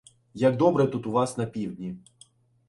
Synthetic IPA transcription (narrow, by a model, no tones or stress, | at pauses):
jɐɡ̚d̪ɔbɾɛt̪ut̪ʊʋɑsnɐpʲiwd̪ʲnʲi